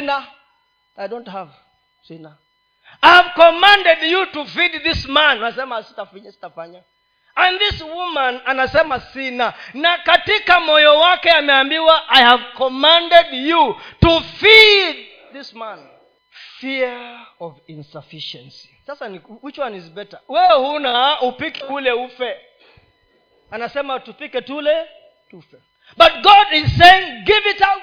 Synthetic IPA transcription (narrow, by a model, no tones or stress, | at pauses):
sna | adõnthav | sina | ajhav̥kɔmãndɛdjutufid̚ðismãnanasɛmasi̥tafiɲasi̥tafaɲa | ãnðiswumãnanasɛmasinanakatikamɔjɔwakɛamɛambiwaʔajhavkɔmãndɛdjutufid̚ | ðismãn | fiɹɔvĩnsɔfiʃɛ̃nsi̥sasaniwit͡ʃwãnizbɛtəwɛhunaupikulɛufɛ | anasɛmatupikɛtulɛ | tufɛ | bat̚ɡɔdiz̥seɪ̃ŋɡivita